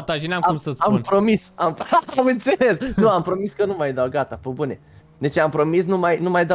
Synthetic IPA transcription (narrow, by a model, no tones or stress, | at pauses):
t̪aʒinamaumsəampɾo̞misamamɨnt̪se̞le̞snuampɾo̞miskənumajd̪awɡat̪apobune | d̪e̞t͡ʃeampɾo̞misnumajnumajd̪a